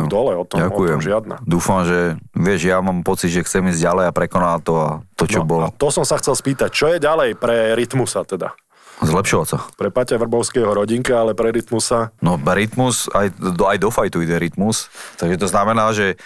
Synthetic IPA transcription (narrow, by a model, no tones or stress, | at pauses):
d̪ɔlɛɔt̪ɔɟakɔujɛmʒɪad̪na̰d̪uːfamʒɛʋɪɛʒjamaːmpɔt͡sid̪ʒɛxt͡sɛmiːzɟalɛjapɾɛkɔnaːlt̪ɔat̪ɔnt͡ʃɔbɔlɔt̪ɔsɔmsaxt͡sɛlspiːt̪ac̚t͡ʃɔjɛɟalɛjpɾɛɾit̪musat̪ɛd̪a̰ | zlɛpʃɔʋasapɾɛpacaʋr̩bɔʊskɛːɦɔɾɔɟiŋkaalɛpɾɛɾit̪musanɔɾit̪musajajd̪ɔfajt̪uiɟɛɾit̪must̪aɡʒɛt̪ɔznamɛnaːʒɛ